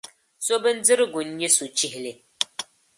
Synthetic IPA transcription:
so˦bɨ˦n̩˦d͡zɨ˦ɾɨ˦ɡu˨n˦ɲi˦su˨t͡ʃi˦hle˦˨

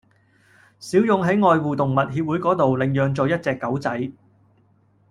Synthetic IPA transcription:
siː˨˥wjʊ˨˧ŋɦɐ˨˥jŋɔː˨jwuː˨t̪ʊ˨˩ŋmɐ˨t̚hiː˧p̚wu˨˥jkɔː˨˥t̪o˨wlɪ˨ŋjœː˨ŋt͡sɔː˨jɐ˥t̚t͡sɛː˧kːɐ˨˥wt͡sɐ˨˥j

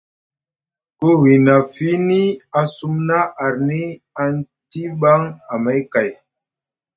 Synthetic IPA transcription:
ko˦wi˨na˨fi˨˦ni˦a˦su˦mna˦ʔa˨ɾni˦ | a˦n˦ | ti˦ɓa˦ŋa˨ma˦jka˨j

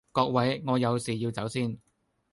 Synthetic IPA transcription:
kɔː˧k̚wɐ˨˥jŋɔː˨˧jɐ˨˧wsiː˨˩jiː˧wt͡sɐ˨˥wsiː˥˩n

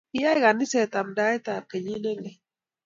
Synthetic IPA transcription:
ɪ˦ja˦i˦ɣa˨nɪ˦sɛ˨t̪a˨mda˦ɛ˦t̪a˨ke˨ɲi˦ne˦ŋɛ˨

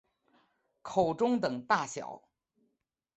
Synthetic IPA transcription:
kʰo˨˩ʊʈ͡ʂʊ˥ŋt̪ɤ˨˩ŋt̪a˥˩ɕjɑ̰˨˩˦ʊ

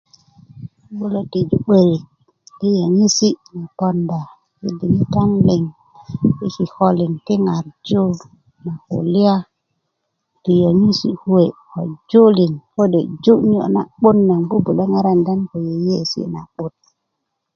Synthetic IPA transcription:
ɓu˦lo˨ti˨d͡ʒu˨ɓe˨ɾi˨ | ti˦jo˨ɲi˦si˦na˨po˦nda˨ | kḭ˨di˨ni˦ta˦nle˨ŋ | i˦ki˨ho˦li˨nti˦ŋa˨ɾd͡ʒu˦ | na˨ho̰˨li˦a˦ | ti˨jo˨ɲi˦sḭ˦hu˦we˨ko̰˨d͡ʒo˦li˨nko˦de˨d͡ʒu˦ʔɲ˦o̰˦˨ʔna̰˨ɓu˦nːa˨ŋku˦bu˨le˦ŋa˦ɾa˦nda˦nko˨je˨je˦˨sḭ˦na̰˨ɓu˦t̚

